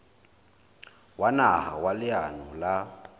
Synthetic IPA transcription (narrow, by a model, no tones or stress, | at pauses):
wanaha̰walɪanɔla